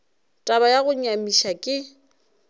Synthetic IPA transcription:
tʼabajaɣʊɲamiʃakʼɪ

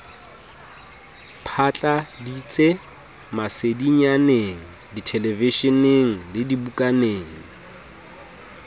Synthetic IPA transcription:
pʰat͡ɬʼadit͡sʼe | masediɲaneŋ̩ditʰɛlɛviʃɔneŋ̩lɪdibukʼaneːŋ̩

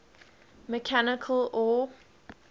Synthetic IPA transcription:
mekʰænɪkʰl̩ˠɔ

